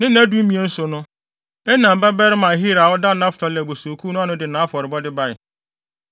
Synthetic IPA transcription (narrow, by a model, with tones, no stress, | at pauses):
nɪ̃˦næ˦du˦m̩˦mĩ˨e˨n̩˦sʊ˨nʊ̃˦ | ɛ˦nã˨m̩˨ba˦bɛ˦ɾɪ˦mã˨ɦi˦ɾa˨wɔ˦da˦nã˦fʊ̥˨tʰɔ˨lɛ˨bo˨so˨kʰu˦nʊ̃˦a˦nʊ̃˦dɪ˨nã˨˦fɔ˨ɾɪ˨bɔ˦dɪ˦ba˦ɪ˨